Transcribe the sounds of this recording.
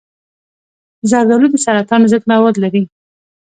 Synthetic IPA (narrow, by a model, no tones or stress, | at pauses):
zɑɾd̪alud̪əsaɾat̪ɑnzəɡ̪mawɑd̪laɾi